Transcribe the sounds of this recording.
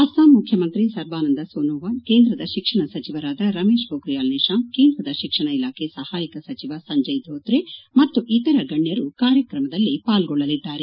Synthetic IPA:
ɐsaːnmukʰjɐmɐnt̪ɾisɐɾʋaːnɐnd̪ɐsoːnoːʋaːnke̞ːnd̪ɾɐd̪ɐʃikʂɐɳɐsɐt͡ʃiʋɐɾaːd̪ɐɾɐme̞ːʃbʱoːkɾijaːlneːʃaːmkeːnd̪ɾɐd̪ɐʃikʂɐɳɐilaːkʰesɐhaːjikɐsɐt͡ʃiʋasɐɲd͡ʒɐjd̪ʱoːt̪ɾemɐt̪ːuʔit̪ɐɾɐɡɐɳːjɐɾukaːɾjɐkɾɐmɐd̪ɐlːipaːlɡɔɭːɐlid̪ːaːɾe

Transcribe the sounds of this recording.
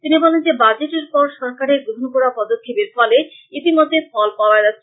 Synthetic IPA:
t̪inibɔlend͡ʑebad͡ʑeʈeɾpɔɾʃɔɾkaɾeɾɡɾoɦonkoɾapɔd̪okʰːebeɾfɔleit̪imod̪ʱːefɔlpaoad͡ʑatːʰe

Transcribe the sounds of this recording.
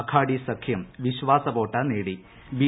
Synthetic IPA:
kʰaːɽisɐkʰjɐmʋiɕʋaːsɐʋoːʈːaneːɽi | ʋi

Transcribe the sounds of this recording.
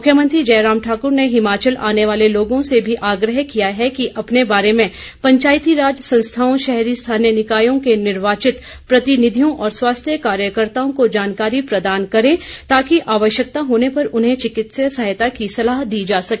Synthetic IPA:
mʊkʰjəmə̃nt̪ɾid͡ʒɛːɾaːmʈʰaːkʊɾneɦɪmaːt͡ʃəlʔa̰ːneʋaːleloːɡõsebʱiʔaːɡɾəɦkijaɦɛkiʔɐpnebaːɾemẽ | pɐ̃ɲt͡ʃaːjt̪iɾaːd͡ʒsɐ̃nst̪ʰaːõʃɛɦɾist̪ʰaːnjənɪkaːjõkenɪɾʋaːt͡ʃɪt̪ | pɾɐt̪ɪnɪd̪ʱijõʔɔːɾswaːst̪ʰjəkaːɾjəkəɾt̪aːõkod͡ʒaːnkaːɾipɾɐd̪aːnkɐɾẽːt̪aːkiʔaːʋəʃjək̚t̪aɦoːnepɐɾʊnɦẽt͡ʃɪkɪt̪səsɐɦjt̪akisɐlaːɦd̪iːd͡ʒaːsɐke

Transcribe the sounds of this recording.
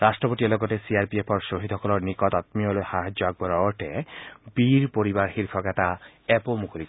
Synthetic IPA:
ɾasʈɹɔpot̪iɔlɔɡɔt̪esiaɾpiepʰɔɹsoɦid̪ʱɦɔkɔlɔɹnikɔt̪at̪miɔlohaɦad͡ʑjɔaɡ̚bɔɾɔɔɹʈebiɾpoɾibaɾxiɾpʰɔkat̪aɛpomukoli

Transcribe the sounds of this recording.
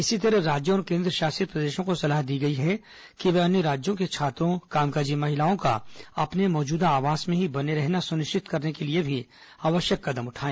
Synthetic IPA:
ɪsit̪̬ɐɾəɾaːd͡ʒj̃ɔːɾkẽːnd̪ɾəʃaːsət̪̚pɾɐd̪eːʃõkosɐlaːɦd̪iːɡɐiɦɛ | kiʋɛɐnjəɾaːd͡ʒjõket͡ʃʰaːt̪ɾõkaːmkaːd͡ʒimɐɦɪlaːõka̰ɐ̰pnemɔːd͡ʒuːd̪aːʋaːsmẽɦibɐneɾɛɦnasʊnɪʃt͡ʃɪt̪kɐɾnekeliebʱi | aːʋəʃjəkːɐd̪əmʊʈʰaːẽː

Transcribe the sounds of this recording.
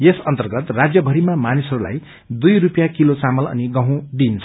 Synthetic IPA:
jesʌnt̪ʌrɡʌt̪rad͡zjʌbʱʌɾimamanisʌɾula̰j | d̪ujrupjakilot͡samʌlʌ̰niɡʌ̃ɦũɖint͡sʰʌ

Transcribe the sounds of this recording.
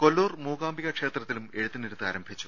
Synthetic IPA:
kolːoːrmuːɣaːmbiɣɐkʂe̞ːt̪rɐt̪ːilume̞ɻut̪ːiniɾut̪ːɨaːɾɐmbʱit͡ɕːu̥

